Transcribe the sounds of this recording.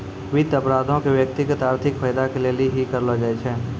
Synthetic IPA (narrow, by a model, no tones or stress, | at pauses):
ʋɪt̪ɐpɾaːd̪ʱõkeʋjək̚t̪ɪɡət̪aːɾt̪ʰɪkfəjd̪akeleːliɦikɐɾlod͡ʒaet͡ʃʰɛː